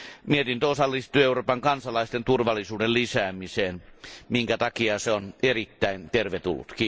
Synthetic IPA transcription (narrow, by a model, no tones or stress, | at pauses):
miet̪int̪osɑlːist̪ˑyøeuroːpɑŋkɑnsɑlɑist̪ent̪urʋɑlːˑisuːdellisæːmiseːnmiŋkæt̪ɑkiɑseonerit̪ːæint̪erʋet̪ṵlːṵt̪kiː